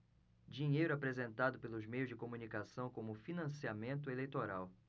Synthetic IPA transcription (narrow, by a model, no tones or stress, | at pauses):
d͡ʒiɲejɾʊapɾezẽnt̪ad̪ʊpelʊzmejʊzd͡ʒɪkomunikasɐ̃w̃kõmʊfinɐ̃siamẽnt̪̬ʊelejt̪oɾaw